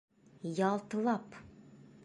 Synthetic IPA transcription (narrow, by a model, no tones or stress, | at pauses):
jɑlˠt̪̆lˠɑp